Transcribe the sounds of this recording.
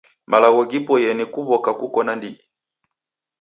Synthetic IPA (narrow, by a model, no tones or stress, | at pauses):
malaɣɔɡipɔjɛnikuβɔkakukɔnandiɡi